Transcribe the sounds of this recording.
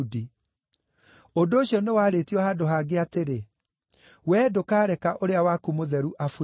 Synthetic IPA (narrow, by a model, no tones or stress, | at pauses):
di | ondoːɕiɔnewaːɾetiɔhadoɦaːɡeateɾe | wɛːdokaːɾɛkaʔoɾeawakumoðɛɾuʔafu